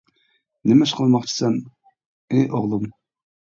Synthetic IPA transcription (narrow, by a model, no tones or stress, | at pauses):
nɪmɪʃqʰəlˠmɑχt͡ʃʰi̥sɛn | eʔoʁlˠum